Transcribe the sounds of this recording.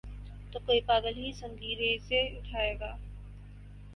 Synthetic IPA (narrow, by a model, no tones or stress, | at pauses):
t̪oːkoːipaːɡəlɦisə̃ŋɡʱiːɾeiseʊʈʰaːeːɡaː